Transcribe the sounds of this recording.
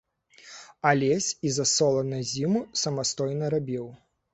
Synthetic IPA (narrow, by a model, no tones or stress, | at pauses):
alʲɛsʲizɐsɔlˠɐnɐzʲimusɐmast̪ɔjnɐɾabʲiw